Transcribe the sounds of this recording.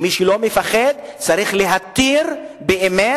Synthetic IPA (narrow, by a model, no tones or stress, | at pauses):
miʃelo̞mefaχed̪̚t͡saʁiχle̞ɦat̪iʁbeʔeme